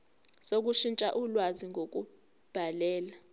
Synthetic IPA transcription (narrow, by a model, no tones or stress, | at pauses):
sok̬uʃint͡ʃʼa̰ʔulwaziŋɡʱok̬ʼu | b̥ʱalɛːla